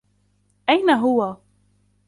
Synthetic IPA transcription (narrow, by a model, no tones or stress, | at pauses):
ʔajnaɦʊwa